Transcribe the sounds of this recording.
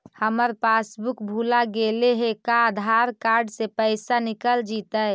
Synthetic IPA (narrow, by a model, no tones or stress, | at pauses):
həməɾpasbukbʱulaɡeleɦekad̪ʱaɾkaɾɖsepəɪsanikəld͡ʒit̪ə